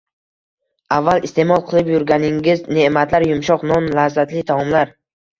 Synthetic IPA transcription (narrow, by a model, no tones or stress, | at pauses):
avːalist̪e̞mɒlˠqʰɨlˠɪpjʊɾɡʲanɪŋɪzne̞mat̪ʰlaɾjʊmʃɒqnɒnlazat̪lɪt̪ʰamɒmlaɾ